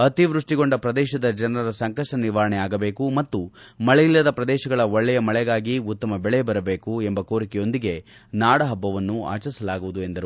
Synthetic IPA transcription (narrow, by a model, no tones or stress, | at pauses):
ɐt̪iʋɾuʂʈiɡo̞ɳɖɐpɾɐd̪ɛːʃɐd̪ɐd͡ʒɐnɐɾɐɾɐsɐŋkɐʂʈɐniʋaːɾɐɳɛaːɡɐbe̞ːkumɐt̪ːumɐɭɛjilːɐd̪ɐpɾɐd̪ɛːʃɐɡɐɭɐɔɭːɛjɐmɐɭɛɡaːɡiut̪ːɐmɐbɛɭɛbɐɾɐbe̞ːkuembɐko̞ːɾikɛjo̞nd̪iɡe̞ | naːɽɐɦɐbːɐʋɐnːua̰ːt͡ʃɐsɐlaːɡuʋud̪ue̞nd̪ɐɾu